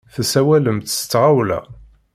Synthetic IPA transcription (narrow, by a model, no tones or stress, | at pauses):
θæsæwæləmt̪st͡s̪ːʁawlæ̰